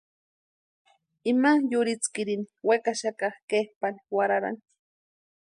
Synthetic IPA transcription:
imajʊɾɪt͡skɪɾiniwekaʃakahkehpaniwaɾaɾa̰nt̪

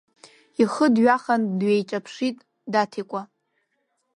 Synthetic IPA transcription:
iχədɥaχandɥejt͡ʃʼapʰʂitʼ | datʰikʷʼa

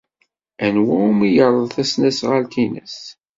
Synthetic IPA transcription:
ænwæumijəɾˤəðˤθæsnæsʁəlt̪inæ̰s

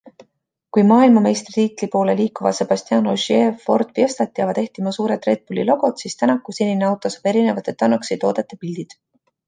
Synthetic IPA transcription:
kujmɑːilmɑme̞jst̪rit̪iːt̪lipo̞ːle̞liːkːuvɑ̰se̞b̥ɑsʲt̪iɑːnoʒie̞ːfo̞rd̪̥pjest̪ɑt̪̚ːjɑvɑd̪e̞ht̪imɑsuːɾet̪ˑre̞d̪̥̚bulḭlo̞ɡ̥o̞t̪sist̪ænɑkːˑuseninɑwt̪ːˑosɑ̥b̥e̞ɾine̞vɑt̪ːˑet̪ːɑnːɑksejt̪o̞ːd̪e̞t̪ːˑepild̪̥id̪̥

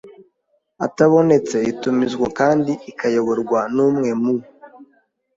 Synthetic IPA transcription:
a̰taβo̞ne̞t͡se̞itumizɡwakaːndiikajo̞βo̞ɾɡwanuːmŋe̞mu

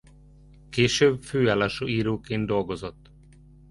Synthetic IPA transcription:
keːʃøːbføːaːlaːʃoːiːɾoːkeːnd̪d̪o̞lɡo̞zot̪ː

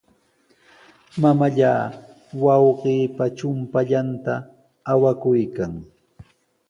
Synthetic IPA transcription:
mamaʎaː | wɑwqiːpat͡ʃʊmpaʎant̪aː | wakʊjkaŋ

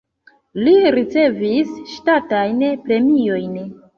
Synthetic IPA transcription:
liɾit͡se̞visʃtatajnpɾe̞mio̞jn

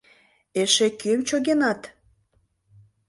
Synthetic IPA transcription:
eʃekymt͡ɕoɣenɑt̪

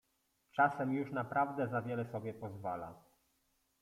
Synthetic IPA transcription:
t͡ʂasɛmjuʂnapɾavd̪ɛzavʲjɛlɛsɔbʲjɛpɔzvala̰

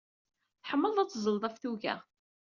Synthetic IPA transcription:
θħəmːəlˤæt͡sːzˤəlðˤæfθuʝæ̰

